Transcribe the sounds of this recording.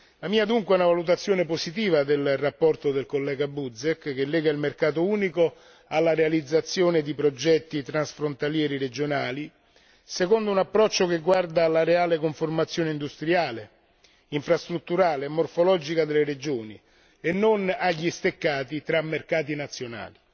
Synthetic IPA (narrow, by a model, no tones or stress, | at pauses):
lamiːad̪uŋkweɛunavalut̪̬at̪sːjoːneposit̪̬iːvad̪elrapːɔrt̪od̪elkolːɛːɡabud̪zekkːelːɛːɡailmerkaːt̪̬ouːniko | alːaɾealid̪zːat̪sːjoːned̪ipɾod͡ʒɛt̪ːit̪ɾansfɾont̪aljɛːɾiɾed͡ʒonaːli | sekond̪ounapːɾɔt͡ʃːokeɡːward̪alaɾeaːlekoɱformat̪sːjoːneind̪ust̪ɾiaːle | iɱfɾast̪ɾut̪ːuɾaːleːmːorfolɔːd͡ʒikad̪elːeɾed͡ʒoːni | enːonaʎːist̪ekːaːt̪it̪ɾamːerkaːt̪̬inat̪sːjona̰ːli